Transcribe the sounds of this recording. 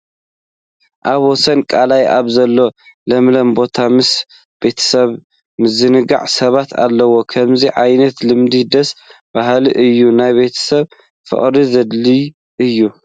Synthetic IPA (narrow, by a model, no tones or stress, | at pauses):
ʔaβwɔsɐnkʼalajʔaβzɐlːo̞lɐmlɐmbo̞t̪ʰamɨs | b̥e̞t̪ʰɐ̥sɐβ | mɨzɨnɨɡa̰ʕsɐβat̪ʰa̰lːɐwo̞kʰɐmziʕajnɐt̪lɨmd̪id̪ɐs | b̥aɦliʔɨjːunajbe̞t̪ʰɐ̥sɐβ | fɨ̰χʼɾizɐd̪li | ʔɨjːu